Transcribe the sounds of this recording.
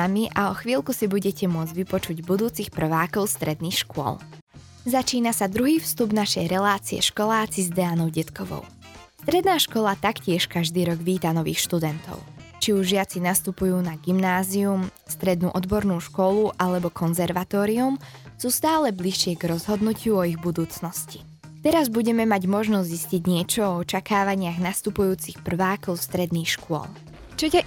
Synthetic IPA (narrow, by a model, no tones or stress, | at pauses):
amiʔaɔxʋiːlˠkusibuɟɛcɛmʊɔd͡zɟʋipɔt͡ʃuɟbud̪uːt͡sixpr̩ʋaːkɔʊst̪ɾɛd̪nixʃkʊɔ̰l | zat͡ʃiːnasad̪ɾuɦiːfst̪ubnaʃɛjɾɛlaːt͡siɛ̰ʃkɔlaːt͡sizd̪ɛanɔʊɟɛt̪kɔʋɔ̰ʊ | st̪ɾɛd̪naːʃkɔlat̪akcɪɛʃkaʒd̪iːɾɔɡʋiːt̪anɔʋḭːxʃt̪ud̪ɛnt̪ɔ̰ʊt͡ʃiuʒʒɪat͡sinast̪upujuːnaɡimnaːzium | st̪ɾɛd̪nuːʔɔd̪bɔɾnuːʃkɔluʔalɛbɔkʰɔnzɛɾʋat̪ɔːɾium | suːst̪aːlɛbliʃɪɛɡɾɔzɦɔd̪nucʰɪuɔiɣbud̪uːt͡snɔsci̥ | t̪ɛɾazbuɟɛmɛmaɟmɔʒnɔzzisciɟɲɪɛt͡ʃɔɔɔt͡ʃakaːʋaɲɪaɣnast̪upujuːt͡sixpr̩ʋaːkɔʊst̪ɾɛd̪niːxʃkʊɔ̰l | t͡ʃɔa